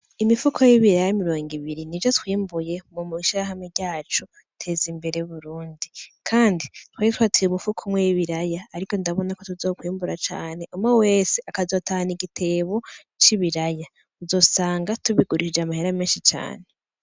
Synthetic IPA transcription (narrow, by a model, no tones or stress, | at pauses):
imifukʰo̞jiβiɾajaimiɾo̞ːŋɡiβiɾinid͡ʒotwiːmbuje̞mumuiʃiɾaɦameɟaːt͡ʃo | tʰe̞zimbe̞ɾe̞uβuɾuːndikʰaːnditwaetwatʰiɾumufukʰomwejiβiɾajaːɾiko̞ndaβo̞nakotuzo̞ːkwiːmbuɾat͡ʃa̰ːne̞ʔumŋeweːseakazo̞taniɡitʰe̞βo̞ | t͡ʃiβiɾaja | uzo̞ːsaːŋɡatuβiɡuɾiʃid͡ʒamaheɾameːnʃit͡ʃa̰ːne